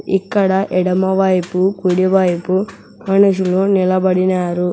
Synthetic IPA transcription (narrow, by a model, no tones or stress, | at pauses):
ikːɐɽɐʔɛɽɐmɐʋɐjpukuɽiʋɐjpu | mɐnuʂulunilɐbɐɽinaːɾu